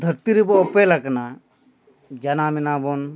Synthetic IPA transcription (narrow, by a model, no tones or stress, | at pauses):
d̪ʱəɾt̪iɾibɔɔpelaɡna | d͡ʒɐnaminabɔn